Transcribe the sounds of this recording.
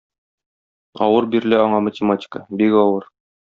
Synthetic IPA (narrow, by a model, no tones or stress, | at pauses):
ɒ̰wɤɾbiɾɘ̆læɒɴɑmətʲɪmatʲɪ̥kəbikɒwɤɾ